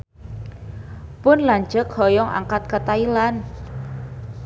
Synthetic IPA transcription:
pʊnlaɲd͡ʒək̚hɔjɔŋʔa̰ŋkat̪̚kət̪ailan

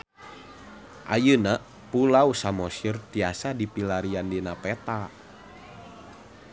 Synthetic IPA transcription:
ʔa̰jəna | pulausamɔsirt̪iasadipilaɾiandinapɛt̪a

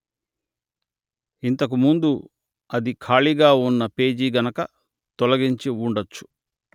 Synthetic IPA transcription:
int̪ɐk̬umund̪u | ɐd̪ikʰaːliɡaːunːɐpe̞ːd͡ʒiːɡɐnɐkɐ | t̪ɔlɐɡiɲt͡ʃiuɳɖɐt͡ʃːu̥

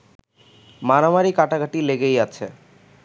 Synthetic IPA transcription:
maɾamaɾikaʈaɡaʈileɡejat͡ɕʰe

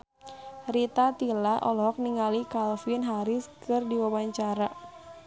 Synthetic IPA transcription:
rit̪at̪ilaʔɔlɔɦɔk̚niŋalikalfinɦaɾɪskʰɨrdiwawaɲt͡ʃaɾa

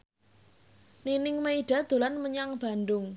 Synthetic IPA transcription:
ninɪŋmeiɖ̥a̤d̪̥o̤lanməɲaŋb̥a̤nɖʊŋ

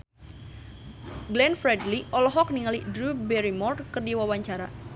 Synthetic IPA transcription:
ɡlɛnfɾɛdliʔɔlɔɦɔk̚niŋalidɾubɛɾimɔrkərdiwawaɲt͡ʃaɾa

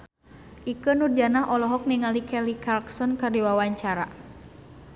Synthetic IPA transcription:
ʔikənurd͡ʒanaɦʔɔlɔɦɔk̚niŋalikɛlikalksɔnkardiwawaɲt͡ʃaɾa

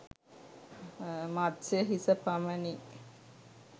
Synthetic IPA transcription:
matseɦisəpaməni

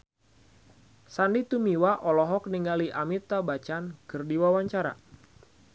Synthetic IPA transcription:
sandit̪umiwaʔɔlɔɦɔk̚niŋɡaliʔamit̪abat͡ʃankɨrdiwawaɲt͡ʃaɾa̰

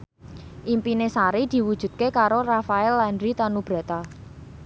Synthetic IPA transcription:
ʔimpinesaɾid̪̥i̤wud̥ʒ̥ṳt̪̚kekaɾorafaɛlːanɖɾit̪anub̥ɾa̤t̪a

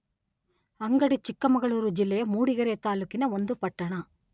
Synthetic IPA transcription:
ɐŋɡɐɽit͡ʃikːɐmɐɡɐɭuːɾud͡ʒilːɛjɐmuːɽiɡɐɾet̪aːluːkinɐond̪upɐʈːɐɳɐ

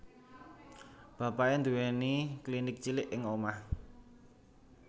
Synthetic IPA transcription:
b̥ä̤paend̪uweniklinɪk̚t͡ʃilɪʔɪŋomah

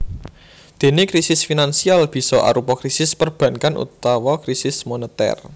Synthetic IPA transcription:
d̪̥e̤nekɾisɪsfinansialb̥i̤sɔa̰ɾupɔkɾisɪspərb̥ä̤nkanʔṵt̪awɔkɾisɪsmonət̪ɛ̰r

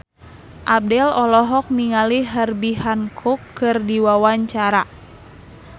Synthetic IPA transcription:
ʔab̚dɛlɔlɔɦɔk̚niŋaliɦərbiɦankʰɔkːɨrdiwawaɲt͡ʃaɾa

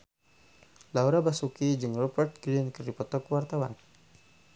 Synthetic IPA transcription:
lauɾabasukid͡ʒɨŋrɔbərt̪̚ɡɾinkərdipɔt̪ɔkwart̪awa̰n

